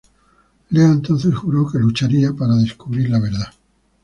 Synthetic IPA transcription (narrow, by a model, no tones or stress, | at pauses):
leaent̪o̞n̟θe̞sxuɾoke̞lut͡ʃaɾiapaɾaðe̞skuβɾiɾlaβ̞e̞ɾða